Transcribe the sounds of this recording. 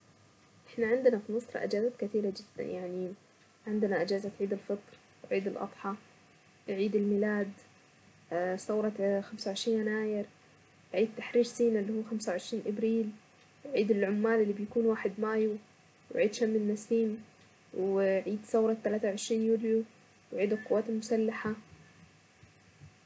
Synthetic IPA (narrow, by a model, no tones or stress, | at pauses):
ʔɪħnaʕɪnd̪ɪnafinɨsˤɾˤɑ̰ʔɪ̰d͡ʒaːzakat̪iːɾad͡ʒɪd̪̥ːa̰njaʕni | ʕɪnd̪ɪnaʔɪd͡ʒaːzat̪ʕiːd̪ɪlfɨt̪ˤɾ | wʕiːd̪ɪlʔɑ̰t̪ˤħɑ | ʕiːd̪ɪlmilaːd̪ | sɑwɾˤɑxamsawʕɪʃɾiːnanaːjɪɾ | ʕiːd̪̚t̪aħɾiːɾsiːnalːihuːxamsawʕɪʃɾiːnʔabɾiːl | ʕiːd̪ɪlʕʊmːaːlɪlːibɪjakuːnwaːħɪd̪maːju | wɪʕiːd̪ʃamːɪnːasiːm | wʕiːd̪sɑwɾˤɑt̪ːalaːt̪awʕɪʃɾiːnjuːlju | wʕiːd̪alqʊwːaːt̪ɪlmʊsalːaħa